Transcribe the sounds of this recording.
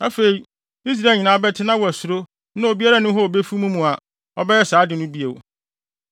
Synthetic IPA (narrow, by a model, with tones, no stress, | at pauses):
a˦fe˨ɾi˨ | i˦s̬ɾa˦˨ɲĩ˨nã˨˦bɛ˦tʰɪ˦nã˦wɔ˨æ˨sʊ˨ɾo˦ | nã˦o˨bi˦a˦ɾa˦nʊ̃˦ɦɔ˦o˨be˦fu˦mũ˦mũ˨a˨ | ɔ˦bɛ˦jɛ˦saː˨˦dɪ˨nʊ̃˦bi˦e˨